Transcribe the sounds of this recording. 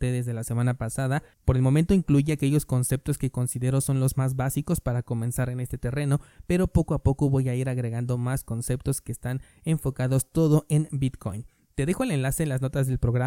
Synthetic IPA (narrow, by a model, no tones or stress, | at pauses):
t̪eðezðe̞lase̞manapasaða | po̞ɾe̞lmo̞mẽnt̪o̞iŋkluʝeake̞ʝo̞sko̞nse̞p̚t̪o̞skeko̞nsiðe̞ɾo̞so̞nlo̞zmazβasiko̞spaɾako̞mẽ̞nsaɾene̞st̪et̪ere̞no̞pe̞ɾo̞po̞ko̞apo̞ko̞βo̞jaiɾaɣɾe̞ɣand̪o̞masko̞nse̞p̚t̪o̞ske̞ːst̪an | eɱfo̞kaðo̞st̪o̞ðo̞ʔe̞nbit̪ko̞̰jn | t̪e̞ðexo̞ele̞nlase̞ːnlazno̞t̪azðe̞lpɾo̞ɣɾa